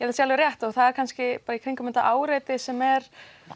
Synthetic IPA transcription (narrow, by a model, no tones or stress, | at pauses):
jɛsjalvɪɾrjɛht̪ɔɣθaðɛɾkʰanscɪpaːɾaikʰejŋkʏmɛnt̪aʔaːwɾejt̪ɪsɛmɛɾ̥